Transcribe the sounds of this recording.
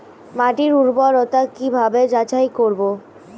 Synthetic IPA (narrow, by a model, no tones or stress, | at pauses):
maʈiɾuɾbaɾɔt̪akibʱabed͡ʑat͡ɕajkoɾbo